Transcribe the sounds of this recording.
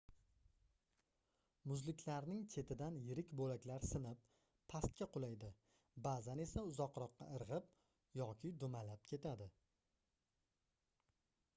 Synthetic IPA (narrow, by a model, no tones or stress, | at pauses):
mʊzlɪkʲʰlaɾnɪŋt͡ʃʰe̞t̪ʰɪd̪anjɪɾɪkʲbolakʲlaɾsɪnɪpʰː | ast̪̚kʲaqʰʊlajd̪ɪ | bazane̞saʊzɒqɾɒqːɑ̰ʔɨɾʁɪp | jɒkʲʰɪd̪ʊmalap̚kʲʰe̞t̪ʰad̪ɪ